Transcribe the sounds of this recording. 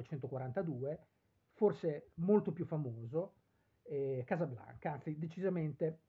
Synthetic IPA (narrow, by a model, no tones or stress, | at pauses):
et͡ʃɛnt̪okwaɾant̪ad̪uːe | forsemolt̪opjufːamoːzo | ɛkaːzabla̰ŋkaant̪sid̪et͡ʃizament̪e